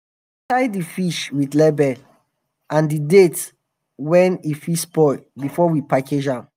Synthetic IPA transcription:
taɪdifiʃwiθlɛbɛl | ãndidet | wɛ̃nifispɔbifɔwipakʰed͡ʒãn

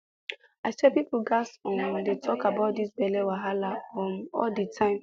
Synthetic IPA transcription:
asɛpiplɡasɔ̃ndetʰɔkabaʊt̚disbɛlewaɦalaɔnɔ̰lditʰãɪ̃m

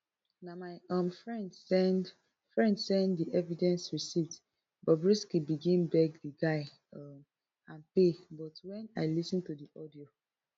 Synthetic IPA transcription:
namaɪɔ̃mfɹɛ̃ndsɛ̃nd | fɹɛ̃ndsɛ̃nddiʔɛvidɛ̃nsɹisivd | bɔbɹiskibiɡĩnbɛɡdəɡaɪ | ʌm | ãnpebɔtwɛ̃naɪlisə̃ntudiʔɔdio

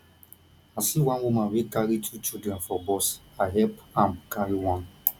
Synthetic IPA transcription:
asiwãnwumãnwikaɾitʰut͡ʃidɾɛ̃nfɔbɔsaɦɛpamkaɾiwãn

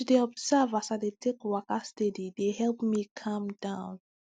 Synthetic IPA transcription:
deɔbzavasadetʰekwakastedideɦɛlpmikʰãmdãʊ̃n

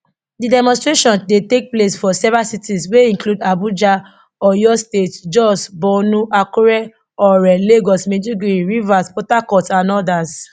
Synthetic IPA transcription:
didɛmɔ̃stɹeʃɔ̃ndetek̚plesfɔsɛvɹasitisweĩŋkludabud͡ʒa | ɔjɔstetd͡ʒɔsbɔnũʔakuɾɛ | ɔɾɛleɡɔsmẽd͡ʒuɡɾiɹivaspɔtakɔtsãnɔdas

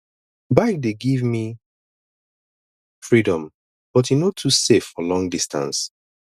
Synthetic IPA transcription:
baɪk̚deɡivmi | fɹidɔ̃m | b̥ɔtinotʰusefɔlɔ̃ŋdistã̰ns

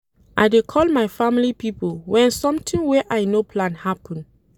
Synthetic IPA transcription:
ʔajdekʰɔlmajfamilipipolwɛ̃nsɔ̃mtʰĩŋwɛʔajnopʰlãnhapʰɔ̃n

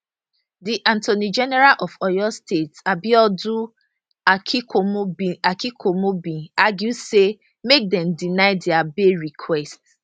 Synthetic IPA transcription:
diʔãntonid͡ʒɛnɛɹalʔɔfɔjɔstetabiɔdu | ombiakikʰomobĩaɡjuse | mek̚dɛ̃mdinaɪdɪabeɹikʰwɛst

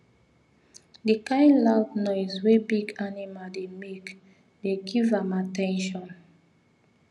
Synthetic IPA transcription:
dikãɪ̃nladnɔɪswebiɡanimaldemek | deɡivamatɛ̃nʃɔ̃n

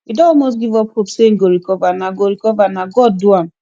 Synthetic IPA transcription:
widɔ̃ɔlmos̬ɡivɔp̚hopsen̩ɡoɾikɔvanaɡoɹikɔvanaɡɔd̚ːuãm

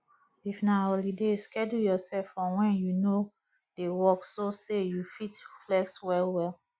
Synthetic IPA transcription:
ifnaolideskɛdujɔsɛlfɔ̃wɛ̃njuno | dewɔksosejufitflɛkswɛlwɛl

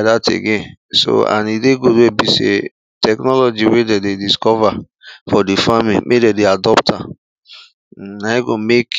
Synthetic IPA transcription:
datḛɡẽn | so̰ã̰nideɡodebisḛ | tɛknɔlɔd͡ʒiwedɛdediskɔva | fɔdefamḭ̃mʔedɛdeadɔptʰa | naiɡomek

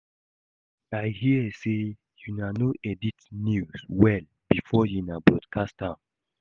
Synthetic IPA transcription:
aɪhiəse | junanoʔɛditnjuswɛl | bifɔjunabɹɔdkʰastãm

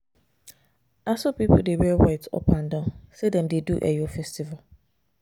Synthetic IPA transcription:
asopipʰl̩dewɛwaɪtʰɔ̰pʰãndãʊ̃nsedɛ̃mdeduʔɛ̰jofɛstival

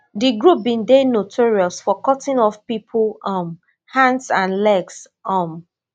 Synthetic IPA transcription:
diɡɹup̚bĩndenotʰɔɹiɔlsfɔkɔtĩnɔfpipʰlɔm | hãndsãnlɛɡs | ɔm

